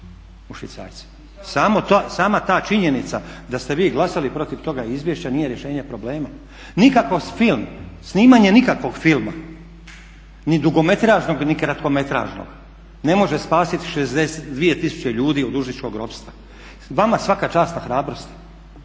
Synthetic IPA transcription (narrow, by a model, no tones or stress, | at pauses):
uʃʋḭt̪sa̰ːjt̪si̥ | saːmot̪osaːmat̪aːt͡ʃiɲe̞nit̪sad̪ast̪e̞ʋiːɡlˠasalipɾo̞t̪iʋt̪o̞ɡaizʋjeʃt͡ɕanije̞ɾje̞ʃe̞ːɲepɾo̞ble̞ːma | nikakofilˠmsniːmaɲe̞nikakʋo̞ɡfilˠma̰ | nid̪uɡo̞me̞t̪ɾaːʒnoɡnikɾat̪ko̞me̞t̪ɾa̰ːʒno̰ɡ̥ | ne̞mo̞ʒespaːsit̪i̥ʃezd̪eset̪d̪ʋije̞t̪isu̥t͡ɕe̞ʎuːd̪iːod̪uʒnit͡ʃkoɡɾo̞pst̪ʋa | ʋamasʋakat͡ʃaːst̪naxɾaːbɾo̞st̪i̥